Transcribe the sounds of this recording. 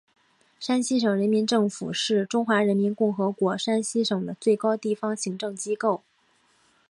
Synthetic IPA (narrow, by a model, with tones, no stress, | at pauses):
ʂa˥nɕi˥ʂɤ˨˩ŋɻə˧˥nmi˧˥nʈ͡ʂɤ˥˩ŋfṵ˨˩ʂɻ̩˥˩ʈ͡ʂʊ˥ŋxwa˧˥ɻə˧˥nmi˧˥nkʊ˥˩ŋxɤ˧˥kwɔ˧˥ʂa˥nɕi˥ʂɤ˨˩ŋd̪ə˦t͡swe˥˩ɪkɑ˥ʊt̪i˥˩fɑ˥ŋɕi˧˥ŋʈ͡ʂɤ˥˩ŋt͡ɕi˥ko˥˩ʊ